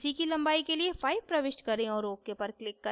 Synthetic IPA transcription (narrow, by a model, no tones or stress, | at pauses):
sikilɐ̃mbaːikeliefaːipɾɐʋɪʃʈkɐɾẽɔːɾoːkːepɐɾklɪkːɐ